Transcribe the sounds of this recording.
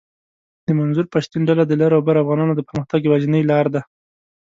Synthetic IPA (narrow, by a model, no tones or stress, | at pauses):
d̪̥əmanzuɾpaʃt̪inɖalad̪əlaɾawbaɾafɣɑnɑnod̪əpəɾməxt̪aɡwaʒənəjlɑɾd̪a